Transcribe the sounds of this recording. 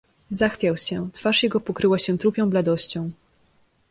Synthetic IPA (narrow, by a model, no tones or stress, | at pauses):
zaxfʲjawɕɛt̪faʂjɛɡɔpɔkɾɘwaɕɛt̪ɾupʲjɔ̃w̃blad̪ɔɕt͡ɕɔ̃w̃